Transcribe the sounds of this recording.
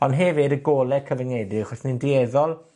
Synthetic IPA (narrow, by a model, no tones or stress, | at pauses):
ɔnɦɛvɪdəɡoːlɛkʰəvənɛdrɨχɔsnindiɛðɔlˠ